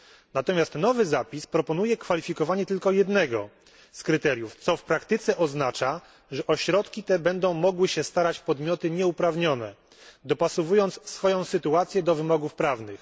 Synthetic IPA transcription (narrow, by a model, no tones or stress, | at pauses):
nat̪ɔmʲjast̪nɔvɘzapʲispɾɔpɔnujɛkfalʲifʲikɔvaɲɛt̪ɘlkɔjɛd̪nɛɡɔ̰ | skɾɘt̪ɛɾʲjuft̪sɔfpɾakt̪ɘt̪sɛʔɔznat͡ʂa | ʐɛʔɔɕɾɔt̪kʲit̪ɛbɛnd̪ɔ̃w̃mɔɡwɘɕɛst̪aɾat͡ɕpɔd̪mʲjɔt̪ɘɲɛupɾavɲɔnɛ̰ | d̪ɔpasɔvujɔnt̪ssfɔjɔ̃w̃sɘt̪uat̪sʲjɛd̪ɔvɘmɔɡufpɾavnɘx